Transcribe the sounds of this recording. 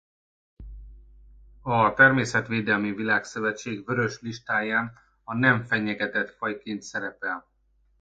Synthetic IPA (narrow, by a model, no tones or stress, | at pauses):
ɒt̪ɛrmeːsɛt̪ʋeːd̪ɛlmivilaːksøvɛt͡ʃeːɡvø̞ɾø̞ʃliʃt̪aːjaːn | ɒnɛɱfɛɲɛɡɛt̪ɛt̪fɒjkeːnt̪sɛɾɛpɛl